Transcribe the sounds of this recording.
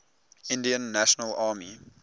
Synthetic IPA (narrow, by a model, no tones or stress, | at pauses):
ɪ̃ndiə̃nːæʃənəlɑːmi